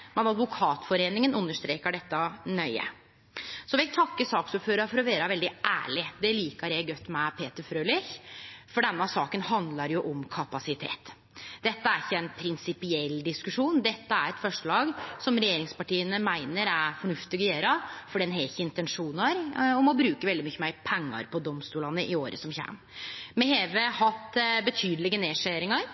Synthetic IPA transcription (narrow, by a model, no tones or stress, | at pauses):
mɛnɑd̪ʋʊkʰɑːt̪fɔɾeːnɪŋənʉnːəʂt̪ɾeːkəɖɛt̪ːɑnœʏə̰ | sɔʋɪt̪ʰɑkːəsɑːksuːføːɾɑɾfɔɾɔʋeːɾɑʋɛld̪ɪʔæ̰ːɭɪd̪ɛliːkəɾjæɪɡœt̪ːmɛpʰeːt̪əɾfɾøːlɪçfɔɖɛnːɑsɑːkənhɑnd̪lɑɾjʊʔɔmkʰɑpɑsɪt̪ʰḛːt̪ | d̪̥ɛt̪ːəæɾɪçːəɛɪnpʰɾɪnsɪpɪɛlːd̪ɪskʉʂuːnd̪ɛt̪ːəæɾɛt̪fœʂəɭɑːɡsɔmɾɛjeːɾɪŋspɑʈiːənəmæɪnəɾæɾfɔɳʉft̪ɪɡɔjeːɾɑfɔɖɛnɦɛɪçːəɪnt̪ɛnʂuːnɑɾɔmɔbɾʉːkəʋɛld̪ɪmyçːəmæɪpʰɛŋːɑ̰ɾpʰɔd̪ɔmst̪uːlɑnəʔɪoːɾəsɔmçæ̰ːm | mɛheːʋəhɑt̪ːbət̪ʰyːd̪lɪɡəneːʂeːɾɪŋɑɾ